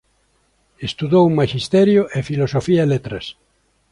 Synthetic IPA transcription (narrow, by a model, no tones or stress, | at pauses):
est̪uðowmaʃist̪ɛɾjoʔefilosofiaelet̪ɾɐs